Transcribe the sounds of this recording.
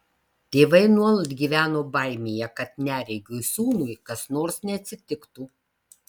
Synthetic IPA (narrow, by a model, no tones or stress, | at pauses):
t̪ʲeːʋɐɪnuɔlˠɐd̪ɡʲiːʋʲæːnoːbɐˑɪmʲeːjɛkɐt̪nʲæːɾʲɛɪɡʲuɪsuːnʊjkɐsnoːɾsnʲɛɐt̪ʲsʲɪt̪ʲɪkt̪uː